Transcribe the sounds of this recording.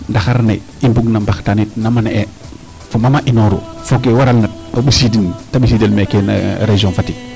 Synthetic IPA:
ndaxaɾnḛ | imbuɡnambaxtanit̚namanee | fomamaʔinoɾo̰fokewaɾalnat̚obisidintabisidelmekena̰ɾeʒɔ̃nfati

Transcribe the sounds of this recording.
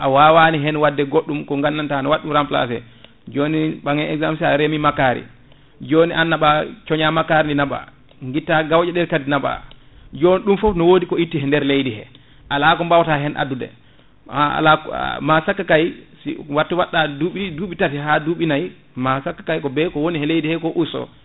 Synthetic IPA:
ʔawaːwaniɦɛnwadːɛɡoɗːumkɔŋɡanːantanɔwaɗːumɾampla̰sɛ̰ | d͡ʒoniɓaŋɛɛɡzams̬aɾemimakaɾḭ | d͡ʒoːniʔanːaɓat͡ʃɔɲamakaɾininaba̰ | ŋɡitːaɡawd͡ʒɛɗɛɾkadinaɓa̰ | d͡ʒoniɗumfɔpnɔwodikɔitːihɛndɛɾlejdihɛ̰ | ʔalakɔmbawtaɦɛnʔa̰dudɛ̰ | la̰masakːakajsḭwatːiwaɗːaduɓiduːɓitatiɦaduɓinaj | masakːḁkajkɔbɛkɔwonihɛlejdihɛkɔʔusɔ̰

